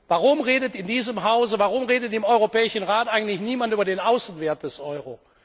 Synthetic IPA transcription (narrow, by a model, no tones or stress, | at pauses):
vaːʁʊmʁeːdətɪndiːzəmɦaʊzəvaːʁʊmʁeːdətɪmɔʏʁopɛːɪʃn̩ʁaːtʔaɪɡŋ̩n̩tlɪçniːmantyːbɐdeːnaʊsn̩veːɐt̚d̥ɛsʔɔʏʁo